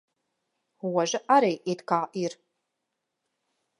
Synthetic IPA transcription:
wɐʒɨʔaɾejʔetkʰaːʔir

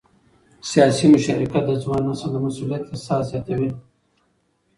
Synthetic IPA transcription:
sijɑsimʊʃaɾikat̪̚d̪əzwɑnasad̪amasulijat̪ːasɑzjɑt̪awi

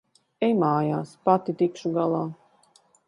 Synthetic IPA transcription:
ɛjmaːjaːspat̪it̪ikʃuɡalˠaː

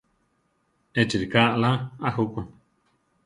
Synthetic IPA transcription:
et͡ʃiɾikaʔlaaɦukʷun

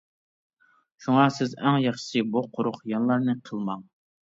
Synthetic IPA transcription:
ʃuŋɑsɪzæŋjɑχʃɨ̥sɨbuqʰʊɾʊχjɑnlˠɑɾnɨqʰəlˠmɑŋ

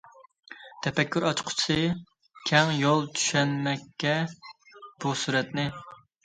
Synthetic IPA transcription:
t̪ʰɛpɛkʲʰːyɾɑt͡ʃqʰʊ̥t͡ʃʰɨ | kʲʰɛŋjolˠt͡ʃʰy̥ʃɛnmɛkʲʰːɛ | b̥usuɾɛt̪nɪ

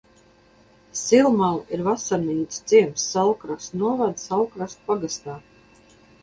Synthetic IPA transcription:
silˠmalˠiɾvasaɾniːt̪sd̪z̥iɛmsːalˠkɾast̪nuɔvad̪salˠkɾast̪̚paɡast̪aː

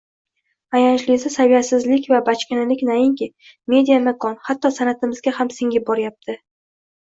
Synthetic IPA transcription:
ajant͡ʃlɪsasavijasɪzlɪkʲvabat͡ʃkʲɪnɪlɪkʲnajɪŋkʲɪ | me̞d̪ijamakʰɒnhat̪ːɒsanat̪ʰɪmɪzɡʲahamsɪŋʲɪbɒɾɪjap̚t̪ʰɪ

